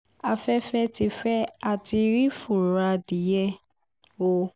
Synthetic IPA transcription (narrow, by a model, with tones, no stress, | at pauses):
a˧fɛ˦fɛ˦ti˧fɛ˦a˨ti˧ɾi˦fu˦˨ɾa˧di˨˦jɛ˦ | o˧